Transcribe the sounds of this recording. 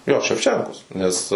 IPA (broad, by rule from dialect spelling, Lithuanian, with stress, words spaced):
joː ʃʲɛwˈt͡ʃʲɛŋkoːs nʲɛs